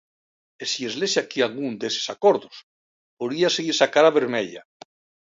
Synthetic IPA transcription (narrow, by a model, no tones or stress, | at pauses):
esiezlesakialɣund̪ese̥sakoɾðos | poðiaseɣiɾsakaɾaβeɾmeʎa